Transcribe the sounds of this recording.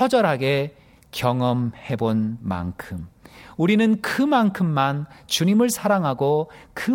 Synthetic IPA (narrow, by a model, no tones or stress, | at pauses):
ʌd͡ʑʌɾɦaɡe̞ | kjʌŋʌmhe̞bonma̰nkʰɯmuɾinɯnkɯmankʰɯmːant͡ɕuɲimɯɭsʰaɾaŋɦaɡokɯ